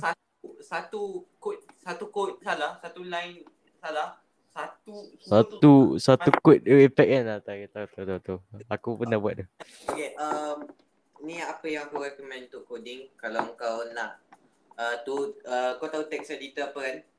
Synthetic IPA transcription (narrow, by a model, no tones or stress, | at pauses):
sat̪usat̪ukut̪̚sat̪ukot̪̚salahsat̪ulajn | salah | sat̪u | sat̪usat̪ukut̪̚ifɛk̚anat̪akit̪aut̪at̪aut̪aakupənahbuaʔ̚d̪u | okeʔəm | niaʔapəjãŋakuɾɛkəmɛ̃nt̪ʊʔkodɪŋkalawəkawnaʔ | ət̪uəkawt̪aut̪ɛk̚sedit̪aapəkan